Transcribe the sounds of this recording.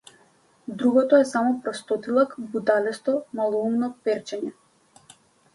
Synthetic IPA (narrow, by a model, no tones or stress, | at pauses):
d̪ɾuɡɔt̪ɔɛsamɔpɾɔst̪ɔt̪ilˠakbud̪alɛst̪ɔmalˠɔumnɔpɛɾt͡ʃɛɲɛ